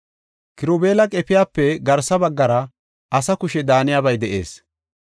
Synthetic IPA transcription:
kɪɾoːbeːlɐkʼɛpɪjaːpːɛɡɐɾsɐbɐɡːɐɾɐ | ʔɐsɐkʊʃɛd̪aːnɪjaːbɐjd̪ɛʔḛːs

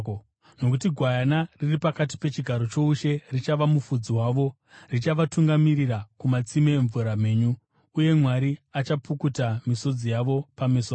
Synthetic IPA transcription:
no̞k̬utiɡʱwajanariripakati̥pe̞t͡ʃiɡʱaɾo̞t͡ʃo̞uʃe̞rit͡ʃaʋamufud͡ziwaːʋo̞ | rit͡ʃaʋatuŋɡamirirakumat͡simeːɱvuɾam̤eːɲuː | je̞mwaɾiat͡ʃapukutamiso̞d͡zijaʋo̞pameso

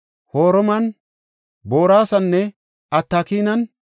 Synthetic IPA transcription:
hoːɾɔmɐn | bo̞ːɾaːsɐnːɛ | ɐt̪ːaːkiːnɐn

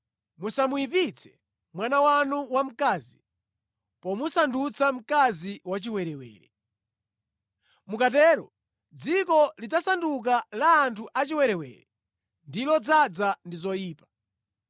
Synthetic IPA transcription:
musamujipit͡sʰɛ̥ | mwanawanuwam̩kaːzi | pɔmusandut͡sam̩kaziwat͡ʃiwɛɾɛwɛ̰ːɾɛ̰ | mukat̬ɛːɾɔ̰ | d͡zikɔlid͡zasanduk̬alaːntʰuʔat͡ʃiwɛɾɛwɛ̰ːɾɛ | ndilɔd͡zad͡zandizɔjiːpḁ

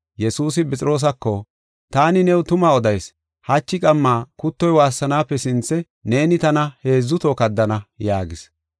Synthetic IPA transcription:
jɛsuːs̬ɪpɛt͡sʼɪɾo̞ːs̬ɐkːɔ | t̪aːnɪnɛwt̪ʊmaɔd̪ɐjs | hɐt͡ʃːɪkʼɐmːaːkʊt̪ːɔjwaːsːɐnaːpːɛsɪnt͡sːɛ | ne̞ːnɪt̪ɐnɐhe̞ːzːʊt̪oːkɐd̪ːɐnɐjaːɡɪs

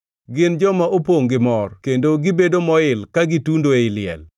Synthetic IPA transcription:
ɡɪnd͡ʒɔmaʔopoŋɡɪmɔrkendoɡɪbedomɔɪlkaɡɪtundoeɪlɪɛ̰l

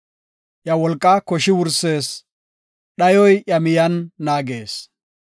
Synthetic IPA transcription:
ʔjɐwɔlkʼːakɔʃɪwʊɾseːs | ɗɐjɔjʔjɐmɪjɐnːaːɡe̞ːs

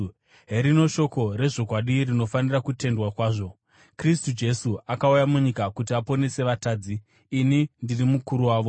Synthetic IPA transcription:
ɦe̞ɾino̞ʃo̞ko̞ɾe̞ʐo̞kwaɗirino̞fanirakute̞ndwakwaːʐo̞ | kristud͡ʒe̞suakaujamuɲikakutiapo̞ne̞se̞ʋataːd͡ziː | nindirimukuɾuwaːʋo̞

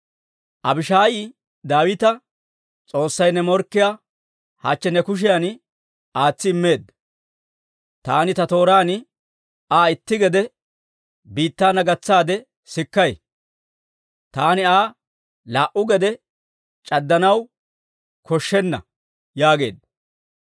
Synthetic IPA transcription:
ʔɐbɪʃaːjiː | d̪aːwɪt̪ɐ | t͡sʼo̞ːsːɐjnɛmɔɾkːɪja | hat͡ʃːɛnɛkʊʃ̬ɪjan | aːt͡sːɪɪmːe̞ːd̪ːɐ | t̪aːnɪt̪ɐt̪o̞ːɾaːn | aːɪt̪ːɪɡɛd̪ɛ | biːt̪ːaːnɐɡɐt͡sːaːd̪ɛ | sɪkːɐj | t̪aːnɪaː | laːʔʊɡɛd̪ɛ | t͡ʃʼɐd̪ːɐnɐw | kɔʃːɛnːɐ̰ | jaːɡe̞̰ːd̪ːɐ

